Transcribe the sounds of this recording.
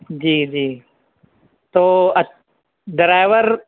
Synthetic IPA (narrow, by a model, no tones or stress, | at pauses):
d͡ʒiːd͡ʒiː | t̪oːɐ | ɖɾajʋəɾ